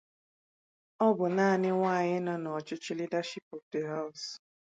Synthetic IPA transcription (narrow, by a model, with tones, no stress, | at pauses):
ɔ˦bʊ˨naː˦˨nɪ˦ŋʷaː˦˨ɲɪ˦nɔ˦n˨ɔ˨t͡ʃʊ˦t͡ʃɪ˦li˦da˦ʃi˦pɔ˨fde˨ɦa˦ʊ˨s